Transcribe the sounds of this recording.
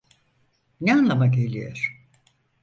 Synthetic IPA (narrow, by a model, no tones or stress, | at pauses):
nɛanlˠamaɡelʲijoɾ̥